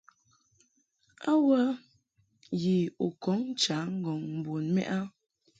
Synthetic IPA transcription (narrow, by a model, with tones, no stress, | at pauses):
a˦wə˦ | ji˨u˨kɔ˨˦ŋ˦t͡ʃa˨˦ŋ̩˦ɡɔ˨ŋm̩˨bo˨nmɛ̰˦ʔa˦